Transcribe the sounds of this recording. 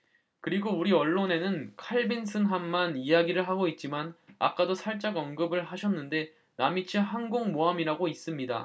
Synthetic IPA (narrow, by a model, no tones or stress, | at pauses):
kɯɾiɡouɾiʌɭːone̞nɯnkʰaɭbinsʰɯnɦamːanijaɡiɾɯɭɦaɡoit̚t͡ɕ͈imana̰k͈adosʰaɭt͡ɕ͈aɡʌnɡɯbɯɭɦaɕʰʌnːɯnde̞ | namit͡ɕʰiɦanɡoŋmoamiɾaɡois͈ɯmɲida̰